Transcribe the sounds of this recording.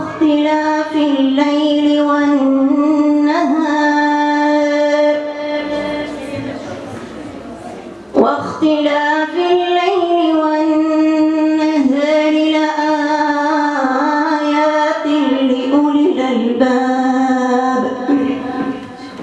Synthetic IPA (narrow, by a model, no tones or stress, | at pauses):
t̪ɪlaːfɪlːajlɪwannː | aɦaː | ɾɾ | waxt̪ɪlaːfɪlːajlɪwanː | aɦaːɾɪlaʔaː | jaːt̪ɪlɪʔʊlɪlʔalbaː | b